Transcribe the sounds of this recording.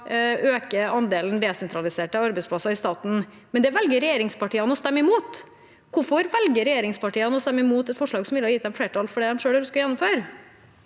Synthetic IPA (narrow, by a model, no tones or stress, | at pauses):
ʔøːkəɑnd̪eːln̩d̪ɛsɛnt̪ʰɾɑlɪseːʈɑɑɾbɛɪspʰlɑsɑɪst̪ɑːt̪n̩ | mɛnd̪ɛʋɛlɡəɾɛjeːɾɪŋspʰɑʈiːɑnəɔst̪ɛmːəɪmuːt̪ | kʊɾfɔɾʋɛlɡəɾɛjeːɾɪŋspɑʈiːɑnəɔst̪ɛmːəɪmuːt̪ɛt̪fɔʂɭɑːɡsɔmʋɪlːəhɑjiːt̪d̪ɛmfleːʈʰɑlfɔɖɛd̪ɛmʂøːɽəɾʉskɑjɛnːʊmføːɾ